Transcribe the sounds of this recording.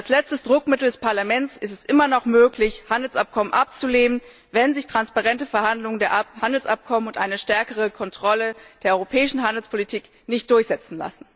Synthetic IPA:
ʔalslɛt͡stəsd̥ʁʊkmɪtl̩dɛspʰaɐlamɛnt͡sɪstɛsʔɪmɐnɔχmøːklɪçhandl̩sʔap̚kʰɔmənʔap̚t͡suleːnən | vɛnzɪçtʁ̥anspaʁɛntəfɛɐhandlʊŋəndeːɐʔhandl̩sʔap̚kʰɔmənʊntʔaɪnəʃtɛɐkəʁ̞əkʰɔntʁ̥ɔləd̥eːɐʔɔʁopʰɛːɪʃn̩ɦandl̩spʰolitʰiːk | nɪçtd̥ʊɐçz̥ɛt͡sn̩la̰sn̩

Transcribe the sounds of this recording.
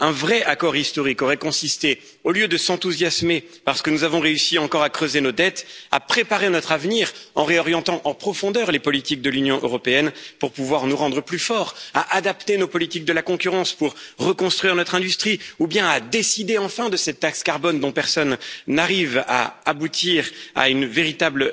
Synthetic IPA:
ɛ̃vʁɛʔakɔʁist̪ɔʁikɔʁɛkɔ̃sist̪e | oljød̪əsɑ̃t̪uzjasme | paʁsə̥kənuzavɔ̃ʁeysiɑ̃kɔʁakχøzenod̪ɛt̪a̰pχepaʁenɔt̪χavniʁɑ̃ʁeɔʁjɑ̃t̪ɑ̃ʔɑ̃pχɔfɔ̃d̪œʁlepɔlit̪ik̚d̪əlynjɔ̃ʔøʁɔpeɛnpuʁpuvwaʁnuʁɑ̃d̪ʁəplyfɔʁaʔad̪apt̪enopɔlit̪ik̚d̪əlakɔ̃kʲyʁɑ̃spuʁːəkɔ̃st̪χɥiʁnɔt̪χɛ̃d̪yst̪χiubjɛ̃ad̪esid̪eɑ̃fɛ̃d̪əsɛt̪ːakskaʁbɔnd̪ɔ̃pɛʁsɔnːaʁiva̰abut̪ʰiʁa̰ynveʁit̪abl

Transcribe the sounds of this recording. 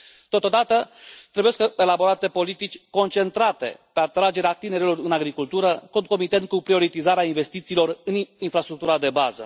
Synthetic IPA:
t̪o̞t̪o̞d̪at̪ət̪ɾebujeskəelabo̞ɾat̪e̞po̞lit̪it͡ʃʲko̞nt͡ʃe̞nt̪ɾat̪e̞̰pe̞at̪ɾad͡ʒe̞ɾeat̪ine̞ɾilo̞rɨnaɡɾikult̪uɾəko̞nt̪̚ko̞mit̪e̞nt̪̚kupɾio̞ɾit̪izaɾeainve̞st̪it̪siːlo̞rɨninfɾast̪ɾuk̚t̪uɾad̪e̞bazə̰

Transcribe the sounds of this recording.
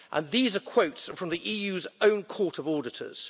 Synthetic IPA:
ʔə̰̃nðiːzəkʰw̥əʊtsfɹə̃mðiʔiːjʉːzə̃ʊ̃nkʰɔˑtəvɔːdɪtʰə̰z̥

